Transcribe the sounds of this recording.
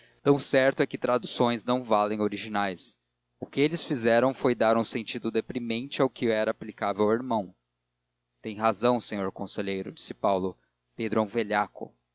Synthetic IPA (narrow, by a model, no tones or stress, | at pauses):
t̪ɐ̃w̃sɛɾt̪ʊɛkɪt̪ɾad̪usõj̃znɐ̃w̃valẽj̃oɾiʒinajs | ʊkɪelɪsfizɛɾɐ̃w̃fojd̪aɾũsẽnt͡ʃid̪ʊd̪epɾimẽnt͡ʃɪawkɪɛɾaːplikavewawiɾmɐ̃w̃ | t̪ẽj̃ɦazɐ̃w̃sẽɲoɾkõseʎejɾʊd͡ʒisɪpawlʊ | ped̪ɾʊõveʎakʊ̰